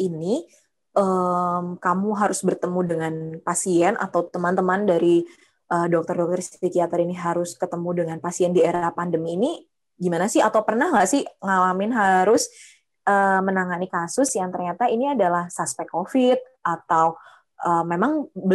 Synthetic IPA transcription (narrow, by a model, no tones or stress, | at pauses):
ʔini | ʔəmkamuɦaɾʊsbərt̪əmudəŋanpasiɛna̰t̪awt̪əmant̪əmandaɾi | ʔəːdɔk̚t̪ərdɔk̚t̪ərst̪ikiat̪əɾiniɦaɾʊskət̪əmudəŋanpasiɛndieɾapandəmiːni | ɡimanasɪhat̪awpərnahlasɪhŋalamɪnɦaɾʊs | ʔəmənaŋanikasʊsjaŋt̪ərɲat̪ainiadalahsaspɛkofɪt̪̚ʔat̪aw | ʔəːmemaŋbə